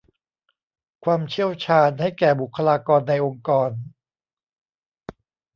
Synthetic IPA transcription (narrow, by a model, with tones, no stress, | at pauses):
kʰwaː˧mt͡ɕʰi˥˩əwt͡ɕʰaː˧nha˥˩jkɛː˨˩bu˨˩kʰːa˧laː˧kɔː˧nːa˧jʔo˧ŋkɔː˧n